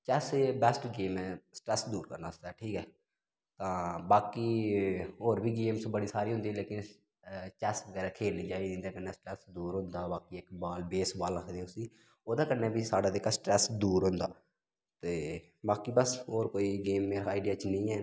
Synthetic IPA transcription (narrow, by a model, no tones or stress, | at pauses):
t͡ʃɛsebɛsʈɡeːmɛːsə̥ʈɾɛːsd̪uːɾkə̰ɾnaːd̪aːʈʰiːkɛː | t̪ãːbaːkiː | oːɾbʱiːɡeːmsbəɽiːsaːɾiːɦʊ̃nd̪iːleːkɪn | t͡ʃɛsʋəɡɛːɾaːkʰeːlnĩːt͡ʃaːiːd̪ĩnd̪aːkənːeːsʈɾɛːsd̪uːɾɦʊ̃nd̪aːbaːkiːɪkbaːlbeːsbaːlɾəkʰd̪iʊsiː | oːd̪ãːkənːeːbʱiːsaːɖaːd̪eːkasʈɾɛːsd̪uːɾɦʊ̃nd̪a̰ː | t̪eː | baːkiːbəsoːɾkoːiːɡeːmːeːɾaaːɪːɖɪjaːt͡ʃnəĩːɛː